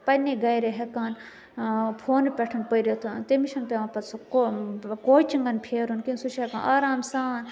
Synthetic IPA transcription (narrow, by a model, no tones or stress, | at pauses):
pɐnːeɡɐjɾeɦekaːn | pʰoːnpʲɛʈʰɐnpəiɾet̪ʰut̪emiʃɐnpeʋãpɐt̪sɐkokoːit͡ʃiŋɡɐnpʰeːɾunkinsuʃʰekanaːɾaːmsaːn